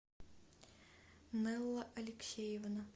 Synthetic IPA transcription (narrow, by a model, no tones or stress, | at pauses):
nɛlˠːɐʔɐlʲɪksʲejɪʋnɐ